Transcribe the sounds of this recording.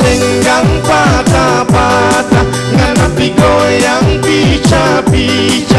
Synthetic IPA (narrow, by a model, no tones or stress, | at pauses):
ɛŋkaŋpatabata | ŋanapiɡojaŋbit͡ʃabit͡ʃa